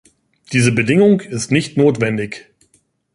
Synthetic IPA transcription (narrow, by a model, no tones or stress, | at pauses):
d̥iːzəbədɪŋʊŋɪstnɪçtnoːtv̥ɛndɪç